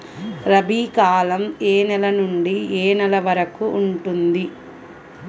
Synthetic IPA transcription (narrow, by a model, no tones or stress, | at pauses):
ɾɐbʱiːkaːlɐmeːnɛlɐnuɳɖieːnɐlɐʋɐɾɐkuːɳʈund̪i